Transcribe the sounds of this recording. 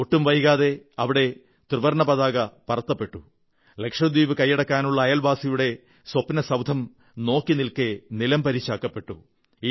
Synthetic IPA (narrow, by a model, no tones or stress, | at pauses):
oʈːumʋɐjɣaːðe̞ɐʋiɽe̞ | t̪rɨʋɐrɳɐpɐðaːɣɐpɐrɐt̪ːɐpːe̞ʈːu | le̞kʂɐd̪wiːʋɨkɐjːɐɽɐkːaːnuɭːɐːjɐlbaːsijuɽe̞ | swɐpːnɐsɐwd̪ʱɐm | no̞ːkːinilkenilɐmpɐɾit͡ɕːaːkːɐpːe̞ʈːṵ